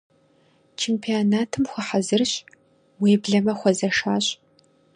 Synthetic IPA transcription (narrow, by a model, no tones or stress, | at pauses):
t͡ʃʰeːmpʰionaːtʰɨmxʷɐħazɨrɕʼ | wiːbɮɐmɐxʷɔzɐʂaːɕʼ